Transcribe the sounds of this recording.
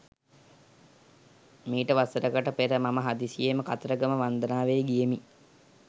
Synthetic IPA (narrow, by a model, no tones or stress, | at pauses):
miːʈəʋasəɾəkəʈəpeɾəmaməɦad̪isijeməkat̪əɾəɡəməʋand̪ənaːʋejɡijemi